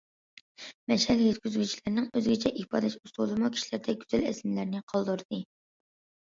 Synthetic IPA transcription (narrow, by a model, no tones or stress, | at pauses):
mɛʃɛljet̪kʲyzɡʲyt͡ʃʰi̥lɪɾnɨŋøzɡʲɪt͡ʃʰɛʔihpɑ̰ːd̪ɛʃusulˠɨmukʲʰi̥ʃilæɾd̪ɛɡʲyz̥ælɛ̰sllæɾnɪqʰɑlˠd̪uɾɨd̪̥ɨ